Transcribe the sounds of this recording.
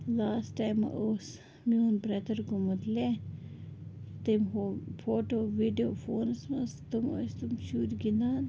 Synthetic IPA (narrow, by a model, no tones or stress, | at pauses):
laːsʈajm̰ʔoːs | miunbɾɐt̪əɾkomut̪le | t̪emofoːʈoːʋiɖioːfoːnsmɐst̪umo̰st̪umʃuːɾɡind̪aːn